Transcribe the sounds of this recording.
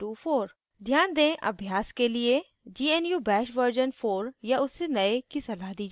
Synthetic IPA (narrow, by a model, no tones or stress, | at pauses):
ʈuːfoːɾ | d̪ʱjaːnd̪ẽːʔɐ̰bʱjaːskelie | d͡ʒiːɛnjubɛːʃʋəɾd͡ʒənfoːɾjaʊsːenɐekisɐlaːɦd̪iːd͡ʒa